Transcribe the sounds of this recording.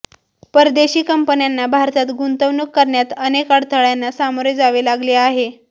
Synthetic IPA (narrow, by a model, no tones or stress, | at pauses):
pəɾd̪eɕiːkəmpənjanːabʱaɾt̪at̪ɡʱunt̪əʋnukːəɾɳjat̪ənekaɽt̪ʰəɭjanːasamoɾjd͡zaʋeːlaɡleaɦe